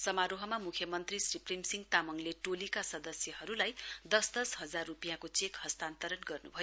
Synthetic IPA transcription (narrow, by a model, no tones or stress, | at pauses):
sʌmaɾoɦʌmamukʰjʌmʌnt̪risriprimsiŋɡ̚t̪amʌŋleʈolikasʌd̪ʌsjʌhʌɾulajd̪ʌsd̪ʌsɦʌd͡zarːupijãkot͡sekhʌst̪ant̪ʌɾʌnɡʌrnṵbʱʌjo